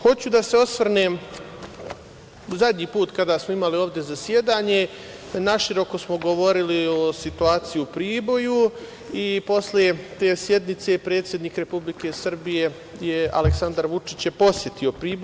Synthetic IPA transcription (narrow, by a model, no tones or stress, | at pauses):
xo̞t͡ɕud̪ase̞o̞sʋr̩neːm | zad̪ɲiːpuːt̪kad̪aːsmoimalio̞ːʋd̪e̞zasjed̪aːɲe̞ | naʃiɾo̞ko̞smo̞ɡo̞ʋo̞ɾiliosit̪uaːt̪sijiupɾiːbo̞ju | ipo̞slet̪eːsje̞d̪nit̪se̞pɾet̪sje̞d̪niːkɾe̞publike̞sr̩bije̞ | jea̰leksand̪aɾʋut͡ʂit͡ɕjeposje̞t̪io̞pɾiːb